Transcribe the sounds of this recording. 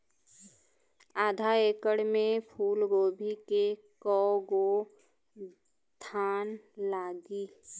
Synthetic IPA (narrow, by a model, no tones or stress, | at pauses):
aːd̪ʱaeːkəɽmẽpʰuːlɡoːbʱikekɔɡo | t̪ʰaːnlaːɡiː